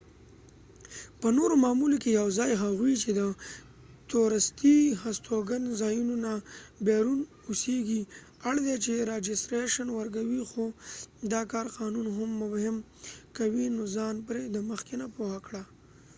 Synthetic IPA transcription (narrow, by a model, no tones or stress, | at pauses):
pənoɾomɑmulokejawzɑjɦaɣwit͡ʃed̪ə | t̪oɾast̪ihast̪oɡanzɑjunonabeɾun | useɡi | aɽd̪et͡ʃeɾed͡ʒɪst̪ɾeʃanwəɾkawixod̪ɑkɑɾqɑnunɦʊmːʊfhɪm | kawinozɑnpɾed̪əməxkenapohakɽa